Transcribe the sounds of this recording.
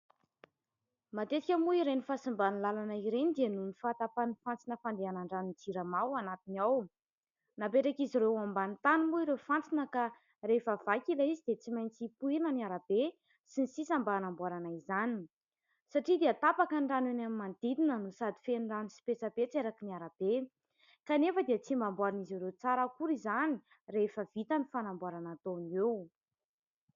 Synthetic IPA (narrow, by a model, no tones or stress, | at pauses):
mat̪et̪ikʲəmuiɾenifasimbanilalanaiɾenid̪ianumifat̪apanifant͡sinəfand̪eanaɳɖ͡ʐanid͡ziɾamawanat̪inaw | napeʈ͡ʂakiziɾewambanit̪animuiɾefant͡sinəka | refav̥akʲilaizid̪et͡simajnt͡sipuinəniaɾab̥e | sinisisambanambuaɾanaizani | saʈ͡ʂid̪eət̪apakaɳɖ͡ʐanenamimand̪̥id̪inənusad̪i̥feɳɖ͡ʐanisi̥pesabet͡seɾakiniaɾab̥e | kanefəd̪iət͡simbambwaɾaniziɾewt͡saɾəkuɾizani | refəv̥it̪anifanambwaɾanat̪onew